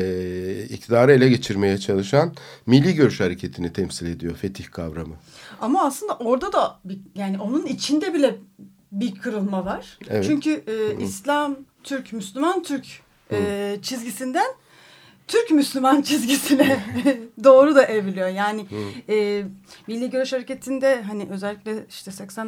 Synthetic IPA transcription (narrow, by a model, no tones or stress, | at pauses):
ɛḭc̚t̪ʰid̪aːɾɯelʲɛɟe̞t͡ʃʰiɾme̞jɛt͡ʃʰalˠɯʃanmilʲːiːɟø̞ɾyʃhaɾecʰet̪ʰinit̪ʰɛmsilʲe̞d̪ijo̞fet̪ʰiçkʰavɾamɯamaːsɯnd̪aʔo̞ɾd̪ad̪abijaːnio̞nunit͡ʃʰind̪ɛbilʲɛ | biɾkʰɯɾɯlˠmavaɾ̥ḛvɛt͡ʃʰyɲcʰyːʔislʲamt̪ʰyɾcmyslʲymant̪ʰyɾc | ɛːt͡ʃʰizɟisind̪æn | t̪ʰyɾcmyslʲymant͡ʃʰizɟisinɛd̪o̞ːɾud̪aʔe̞vilʲijo̞jaːnɪɛːmilʲːiːɟø̞ɾyʃhaɾece̞t̪ʰind̪ɛɦaniʔø̞zɛlʲːicʲlʲɛi̥ʃt̪ʰɛsɛcsæn